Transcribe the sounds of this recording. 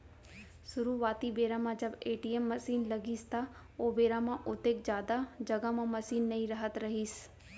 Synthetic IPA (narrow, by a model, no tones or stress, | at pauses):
sʊɾuːʋaːt̪ibeːɾãmãd͡ʒəbeːʈiemːɐsiːnlɐɡiːst̪a | oːbeːɾamãʔʊt̪eːk̚d͡ʒjaːd̪ad͡ʒɐɡamãmɐsiːnːɐĩɾɐɦət̪ɾɐɦiːs